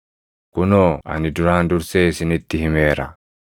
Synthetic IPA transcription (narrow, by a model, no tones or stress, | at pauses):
kunoa̰niduɾaːnduɾsesinit̪ːihimeːɾa̰